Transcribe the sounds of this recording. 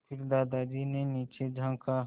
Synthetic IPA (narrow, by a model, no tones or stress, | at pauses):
pʰɪɾd̪aːd̪ad͡ʒineniːt͡ʃed͡ʒʱãːka